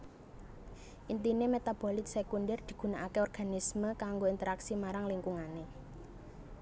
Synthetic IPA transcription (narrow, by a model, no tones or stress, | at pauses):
ʔint̪inemet̪ab̥olɪt̪̚sekunɖɛrd̪̥i̤ɡ̥ṳnaʔakeɔrɡ̥a̤nisməkaŋɡoint̪əɾaksimaɾaŋliŋkuŋane